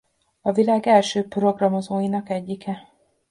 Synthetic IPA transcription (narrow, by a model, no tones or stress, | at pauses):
ɒvilaːɡɛlʃøːpro̞ɡrɒmo̞zoːjinɒkɛɟːikɛ